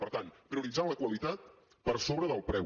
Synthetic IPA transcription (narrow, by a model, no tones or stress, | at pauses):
pəɾt̪anpɾiuɾid͡zaləkwəlit̪at̪̚ | pəɾsoβɾəðəlˠpɾɛ